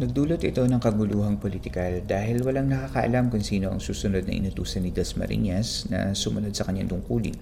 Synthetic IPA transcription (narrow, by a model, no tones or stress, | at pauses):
nɐɡ̚d̪uːlɐt̪ɪt̪o̞nɐŋkɐɡʊluːɦɐŋpolit̪ɪkɐld̪aːɦɪlwɐlaŋnɐkaːkɐʔɐ̰lamkʊŋsiːno̞ʔɐ̰ŋsuːsʊno̞d̪nɐ̰ʔɪ̰nʊt̪uːsɐnːɪd̪ɛsmɐ̰ɾḭɲɛsnɐ̰sʊmɐno̞d̪̚sɐkɐɲːa̰ŋt̪ʊŋkuːlɪ̰ŋ